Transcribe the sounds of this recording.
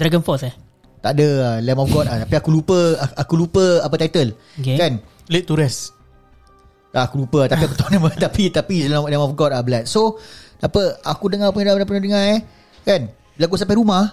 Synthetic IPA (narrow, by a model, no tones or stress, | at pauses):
d̪ɾaɡənfɔsɛ | t̪aʔdəəlɛmɔfɡɔt̪̚at̪apiakulupəakulupəap̬ət̪ajt̪əl | okekan | leʔt̪ːuɾɛs | aakulupəat̪apiapət̪ɔnəmət̪apit̪apislɛlɛmɔfɡɔt̚abəlat̪̚sonapəakudəŋapuɲalablapəɲədəŋãj | kan | bəlak̬usampajɾumãh